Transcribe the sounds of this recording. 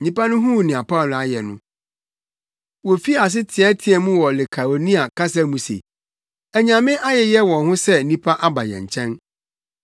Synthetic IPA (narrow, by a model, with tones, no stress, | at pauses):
ɲĩ˦pa˦nʊ̃˦ɦũ˦˨nĩ˨a˨pʰa˦˨la˨jɛ˨nʊ̰̃˦ | wɔ˨fi˦˨a˨s̬ɪ˦tʰɪ˨ɛ˦tʰɪ˨ɛ˨mũ˦wɔ˨lɪ˨kʰa˨ɾo˨nĩ˦a˨kʰa˦s̬a˦mũ˨sḛ˨ | ɛ˨ɲã˨mɪ̃˦ʔa˦jɛ˨jɛ˦wɔ̃˨nhʊ̃˦sɛ˦nĩ˦pʰa˦ʔa˦ba˨jɛ̰̃˨ɲ˨t͡ɕʰɛ̃˦n